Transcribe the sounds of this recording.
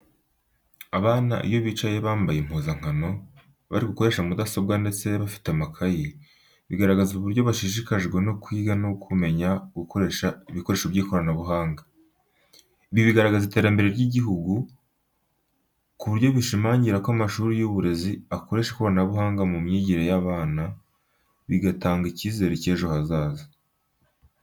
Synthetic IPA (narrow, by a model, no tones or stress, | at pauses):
aβaːna̰ʔḭjo̞βiːt͡ʃaje̞βaːmbajem̥huːzaŋ̥hano̞ | βa̰ɾiɡuko̞ɾeʃamudaso̞bɡande̞t͡se̞βafi̥teamakʰaji | βiɡaɾaɡazuβuɾɟo̞βaʃiʃ̬ikaʒɡwe̞no̞kwiːɡanokʰume̞ɲaɡukoeʃaiβiko̞ɾe̞ːʃobjiːko̞ɾanaβuɦaːŋɡa | iβjoβiɡaɾaɡazite̞ːɾambe̞ɾe̞ɾɟiɟiɦuɡu | kuβuɾjo̞βiʃimaːɲɟiɾakoamaʃuːɾijuβuɾe̞ziako̞ɾe̞ʃeko̞ɾanaβuɦaːŋɡamumɲiːɟiɾejaβaːna | βiɡataːŋɡiciːze̞ɾeceːʒohazaːzi